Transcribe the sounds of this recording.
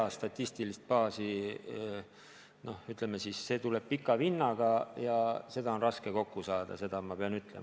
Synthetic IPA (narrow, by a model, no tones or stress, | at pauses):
ɑst̪ɑt̪ʲːˑist̪ilist̪̚pɑːsi | no̞hyt̪ˑlemːesisːe̞ːt̪ule̞b̥̚pikːˑɑvinːɑɡ̥ɑjɑse̞d̪̥ɑonrɑske̞ko̞kːusɑːd̪̥ɑ̰se̞d̪̥ɑmɑpe̞ɑnyt̪ˑle̞̰m